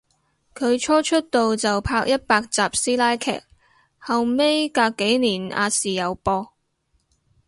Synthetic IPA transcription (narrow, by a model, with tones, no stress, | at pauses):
kʰɵ˨˧ɥt͡ʃʰɔː˥t͡ʃʰɵ˥t̚t̪o˨wt͡sɐ˨wpʰaː˧k̚jɐ˥t̚paː˧k̚t͡saː˨p̚siː˥laː˥jkʰɛ̰ː˨˩k̚ | hɐ˨wme˥jkaː˧kːe˨˥jniː˨˩na̰ː˧siː˨jɐ˨˧wpɔː˧